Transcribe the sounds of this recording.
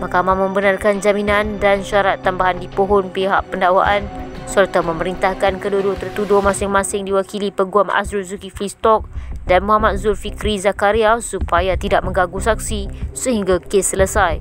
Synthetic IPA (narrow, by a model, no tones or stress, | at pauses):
mahkamahmə̃mbənarkand͡ʒaminãndanʃaɾat̪ːambaɦandipoɦɔnpeɦa̰ʔpəndawaʔansərt̪amə̃məɾint̪ahkankədudot̪ərt̪udomãsɪŋmãsɪŋdiwakilipəɡuama̰sɾuzukiflist̪ɔk̚danmuɦamat̪̚zulfikɾizakaɾiasupajat̪idaʔ̚mə̃ŋɡaɡusak̚sisəɦiŋɡakesələsaj